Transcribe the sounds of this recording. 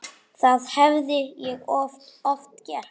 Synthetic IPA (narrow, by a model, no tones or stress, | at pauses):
θaðhɛvðɪjɛɣɔft̪cɛɾ̥